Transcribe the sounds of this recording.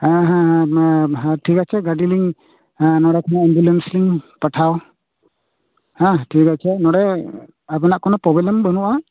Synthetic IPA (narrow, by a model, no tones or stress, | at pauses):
aɦã | ɦãʈʰikat͡ʃʰɛɡaɖiliŋ | nɔɽɛkʰɔnɔɛmbjulɛnsliŋpəʈʰaw | hãʈʰikat͡ʃʰɛnɔɽɛ | apɛnaʔkɔnɔpɔbɛlɛmbənuʔa